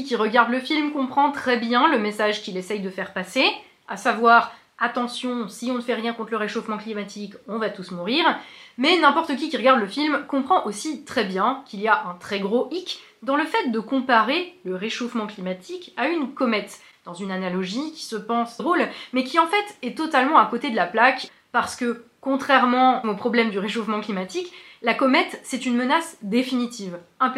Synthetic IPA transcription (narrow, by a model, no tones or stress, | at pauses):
ik̬ʲiʁəɡaʁd̪ləfilmkɔ̃pχɑ̃t̪χɛbjɛ̃ləmesaʒkʲilɛsɛjd̪əfɛʁpase | asavwaʁ | at̪ɑ̃sjɔ̃siɔ̃nəfɛʁjɛ̃kɔ̃t̪χləʁeʃofmɑ̃klimat̪ʰikɔ̃vat̪usmuʁiʁmɛnɛ̃pɔʁt̪ək̬ʲikʲiʁəɡaʁd̪ləfilmkɔ̃pχɑ̃ʔosit̪χɛbjɛ̃kʲiliaʔɛ̃t̪χɛɡʁoʔik | d̪ɑ̃ləfɛt̪̚d̪əkɔ̃paʁeləʁeʃofmɑ̃klimat̪ʰikaynkɔmɛt̪ | d̪̥ɑ̃zynanalɔʒikʲi̥səpɑ̃sʁolmɛkʲiɑ̃fɛt̪ɛt̪ɔt̪almɑ̃akot̪ed̪əlaplak | paʁsə̥kəkɔ̃t̪χɛʁmɑ̃mopχɔblɛmd̪yʁeʃofmɑ̃klimat̪iklakɔmɛt̪sɛt̪ynmənasd̪efinit̪iːvɛ̃p